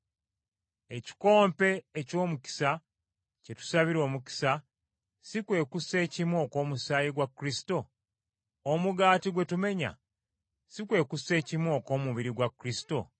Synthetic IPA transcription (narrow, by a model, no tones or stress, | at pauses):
e̞ci̥ko̞ːmpe̞ːco̞ːmuki̥sa | ce̞tu̥saβiɾo̞ːmuki̥sa | sikwe̞ːkuse̞ːcimwoko̞ːmusaːjiɡwakːɾisi̥to̞ː | muɡaːtiɡwe̞tume̞ɲa̰ | sikwe̞ːkuse̞ːcimwo̞ko̞ːmuβiɾiɡwakɾisi̥to̞̰